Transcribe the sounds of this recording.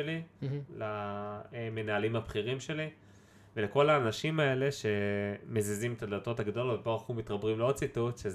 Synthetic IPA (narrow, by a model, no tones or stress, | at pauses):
elilaeme̞naːlimhabχiʁimʃe̞li | ve̞leko̞laːnaʃimae̞le̞ʃe̞mezezimet̪adato̞taɡad̪olobepoχumit̪ʁabʁimleod̚t͡situtʃez